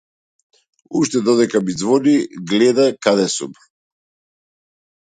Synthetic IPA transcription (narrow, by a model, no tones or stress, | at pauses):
uʃt̪ɛd̪ɔd̪ɛkamid̪zvɔniɡlɛd̪akad̪ɛsṵm